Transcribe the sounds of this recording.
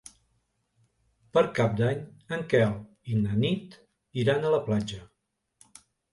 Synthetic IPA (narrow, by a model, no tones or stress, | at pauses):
pəɾkap̚d̪aɲəŋkɛlˠ | inənit̪ | iɾanələplad͡ʒə